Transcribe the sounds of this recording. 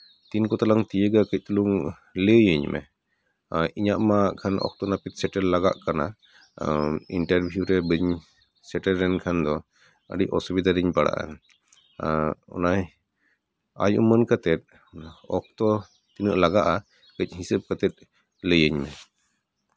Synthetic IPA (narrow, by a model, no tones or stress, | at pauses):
t̪inkɔt̪alaŋt̪ijəɡakəc̚t̪uluŋ | ləjəɲmɛ̰ | iɲaʔmakʰanʔɔ̰k̚t̪ɔnapit̪̚sɛʈɛɾlaɡaʔkana̰ | iɳʈaɾbʱjuɾɛbəɲ | sɛʈəɾːɛnkʰand̪ɔ | ə̰ɖiʔɔsɔbid̪aɾiɲbaɽa̰ʔa̰ | ɔ̰naj | a̰jṵmənkət̪ɛt̪̚ | ɔ̰k̚t̪ɔ | t̪inəʔlaɡaʔa | kəc̚ˀɦisəp̚kət̪ɛt̪̚ | ləjəɲmɛ